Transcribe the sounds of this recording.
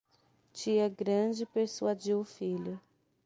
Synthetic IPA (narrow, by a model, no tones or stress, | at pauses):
t͡ʃiɐɡɾɐ̃d͡ʒɪpeɾsuad͡ʒiwʊfiʎʊ